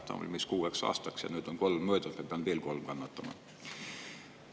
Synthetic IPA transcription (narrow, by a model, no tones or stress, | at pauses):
t̪ɑ̰o̰lʲmiskuːeksɑ̰st̪ɑksjɑ̰nyt̪oŋkolmmøˑit̪ospepænt̪ʋielkolmkɑnːɑt̪ːɑmɑ̰n